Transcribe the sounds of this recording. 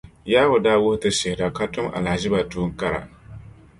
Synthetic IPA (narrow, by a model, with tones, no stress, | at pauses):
jaː˦hʊ˨daː˦wʊ˦hʊ˦tɨ˦sɪ˨hɪ˨da˨ka˦tʊ˦mʔa̰˨la˨hʒɪ˦ba˨tuː˦ŋ˦ka˦ɾa̰˨